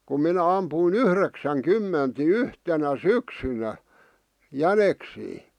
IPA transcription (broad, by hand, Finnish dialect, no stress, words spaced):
kum minæ ɑmpuˑĭn yhreksæŋ kymːent ni yhtenæ syksynæ jæneksiː